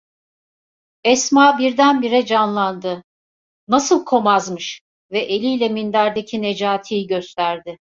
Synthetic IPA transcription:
ɛsmaːbiɾd̪ænbiɾɛd͡ʒanlˠand̪ɯ | nasɯlˠkʰo̞mazmɯʃ | vɛʔelʲijlʲɛmind̪æɾd̪ecʰined͡ʒaːt̪ʰijɟøst̪ʰæɾd̪ɪ

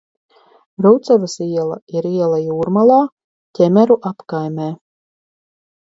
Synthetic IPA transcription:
ɾuwt̪savasiɛlˠa̰iɾiɛlˠajuːɾmalˠaː | tʲɛmʲæɾuʔapkajmʲɛː

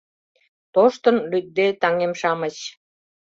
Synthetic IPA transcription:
t̪oʃt̪ənlyt̪̚d̪et̪ɑŋemʃɑmə̆t͡ɕ

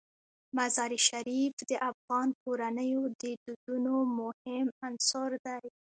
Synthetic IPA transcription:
mazɑɾiʃaɾifd̪əʔafɣɑnkoɾanəjod̪əd̪ud̪unomʊhɪmansɔɾd̪aj

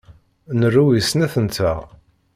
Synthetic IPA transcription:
nərːuwisnæθənt̪æʁ

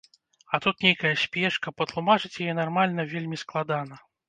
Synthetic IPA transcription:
ɐt̪ut̪nʲejkɐjɐsʲpʲɛʂkɐpɐt̪lˠumat͡ʂɨt͡sʲjajɛnarmalʲnɐvʲelʲmʲisklˠad̪anɐ

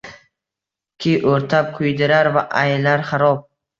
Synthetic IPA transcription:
kʲʰiʔɵɾt̪ʰap̚qʰʊjd̪ɪɾaɾvaʔajlaɾχaɾɒp̚

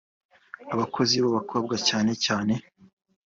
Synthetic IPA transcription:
aβakʰo̞ziβaβakʰo̞ːb̚ɡacaːne̞caːne̞

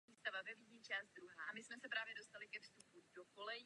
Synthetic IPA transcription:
iːst̪avavɛviɟɲit͡ʃaːzt̪̚d̪ɾuɦaːʔamɪsmɛsɛpɾaːvjɛdo̞st̪alɪkɛfst̪upudoko̞lɛ

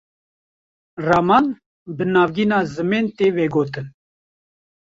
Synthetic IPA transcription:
raːman | bənaːvɡinaːzɨmeːnt̪eːveːɡoːt̪ɨn

